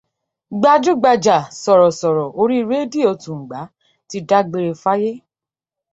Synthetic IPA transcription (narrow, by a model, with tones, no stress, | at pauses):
ɡ͡ba˧d͡ʒu˦ɡ͡ba˧d͡ʒa˨sɔ˨ɾɔ˨sɔ˨ɾɔ˨ʔo˧ɾi˦˧ɾe˦di˦˨o˧tũ˨ɡ͡ba˨˦ | ti˧da˦ɡ͡be˧ɾe˧fa˦je˦